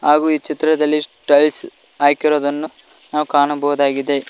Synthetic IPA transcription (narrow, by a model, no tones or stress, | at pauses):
ɦaːɡuːiːt͡ʃit̪ɾɐd̪ɐlːisʈɐls | aːkiɾo̞ːd̪ɐnːu | naːʋwukaːɳubɐʋud̪aːɡid̪e̞